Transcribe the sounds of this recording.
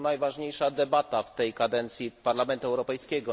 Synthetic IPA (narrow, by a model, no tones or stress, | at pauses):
najvaʐɲejʂad̪ɛbat̪aft̪ɛjkad̪ɛnt̪sʲjipaɾlamɛnt̪uɛwɾɔpɛjskʲɛɡɔ